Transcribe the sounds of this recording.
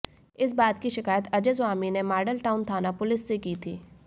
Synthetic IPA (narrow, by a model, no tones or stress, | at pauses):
ɪs̬baːt̪kiʃɪkaːjət̪ɐd͡ʒəzʋaːminemaːɾɖəlʈaːʊnt̪ʰaːnapʊlɪsːekiːt̪ʰiː